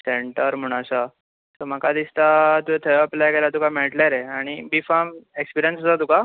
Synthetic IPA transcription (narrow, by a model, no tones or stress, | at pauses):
seɳʈəɾm̤əɽ̃aɕa | t̪əm̤akad̪ist̪at̪uet̪ʰəəpljakelat̪ukameɭʈlaɾeaɽ̃ibifamekspiɾijənst͡sat̪̬uka